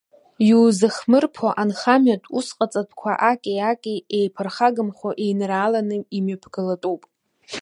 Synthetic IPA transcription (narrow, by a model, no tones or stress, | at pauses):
juːzɨχmɨrpʰoʔanχamɥatʼusqʼat͡sʼatʰkʷʰa̰ʔakʲʼeakʲʼiejpʰɨrχaɡɨmχʷoʔejnraːlanɨimapʰɡɨlatʼupʼ